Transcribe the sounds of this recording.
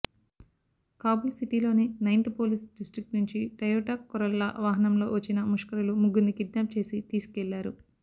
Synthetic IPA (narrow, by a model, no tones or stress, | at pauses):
kaːbulsiʈiːlo̞ːninɐjnt̪poːlisɖisʈɾik̚ʈnuɲt͡ʃiʈɐjoːʈaːkːɔɾɐlːɐ̰ʔʋaːɦɐnɐmlo̞̰ːʋɐt͡ʃːinɐmuʂkɐɾɐlumuɡːunːikiɖnaːp̚t͡ʃe̞ːsit̪iːsu̥kɛlːaːɾu